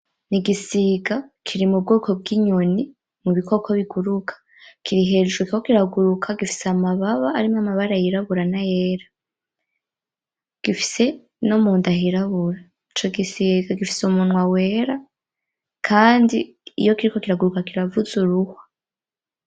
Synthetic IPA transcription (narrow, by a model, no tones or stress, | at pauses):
niɡisiɡakʰiɾimub̚ɡoːko̞b̚ɡiɲo̞ni | muβiko̞kʰoβiɡuɾukʰḁ | kʰiɾiɦe̞ʒukikokiɾaɡuɾukʰaɡifi̥seamaβaβaːɾimamaβaɾajiɾaβuɾanajeːɾa | ɡ̥ifi̥se̞ | nomuːndahiɾaβuɾa | it͡ʃo̞ɡisiɡaɡifi̥sumunwawe̞ɾa | kʰaːndi | ḭjo̞kiɾiko̞kiɾaɡuɾukakiɾavuzuɾuhwḁ